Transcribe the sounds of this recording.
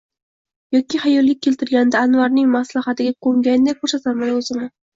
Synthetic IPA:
jɒkʲihajɒlˠːɪk̚ʲʰːe̞lt̪ʰɪɾɡʲanɪd̪aːnvaɾnɪŋmaslahat̪ʰɪɡʲaqʰoŋɡʲajnd̪akʰoɾsat̪ʰaɾmanaɵzɪmɪ

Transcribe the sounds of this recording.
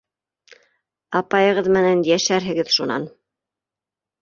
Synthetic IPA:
ɑpɑjɤ̆ʁɤðmɘ̆nænjæʃæɾɦɘ̆ɡɘðʃunɑ̰n

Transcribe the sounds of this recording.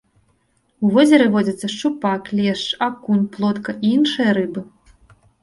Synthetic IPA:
uvɔzʲɐɾɨvɔd͡zʲɐt̪sːɐʂt͡ʂupaklʲɛʂt͡ʂakunʲplˠɔt̪kɐʔiinʂɨjɐɾɨbɨ

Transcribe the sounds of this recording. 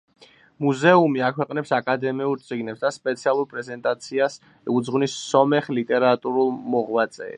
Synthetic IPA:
muzɛumiakʰwɛqʼnɛpsakʼad̪ɛmiulɾt̪sʼiɡnɛpsd̪aspʼɛt̪sʰialˠuɾpʼɾɛzɛnt̪ʼat̪sʰias | ɛud̪zʁwnisːɔmɛχlit̪ʼɛɾat̪ʼuɾulˠmɔʁwat̪sʼɛ̰ː

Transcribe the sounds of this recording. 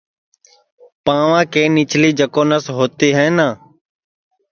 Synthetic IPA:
pãːʋãːkẽːnɪt͡ʃʰliːd͡ʒəkoːnəsɦoːt̪iːɦɛ̃ːnãː

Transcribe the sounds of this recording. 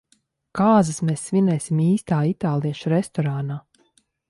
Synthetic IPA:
kaːzɨsmɛːsvʲinɛːsʲimiːst̪aːit̪aːlˠiɛʃuɾɛst̪ɔɾaːnaː

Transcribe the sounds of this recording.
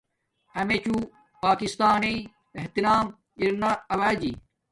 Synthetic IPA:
ɐmet͡ɕu | paːkist̪aːnei | eɦt̪inaːm | iɾnɐɐwaːd͡ʑi

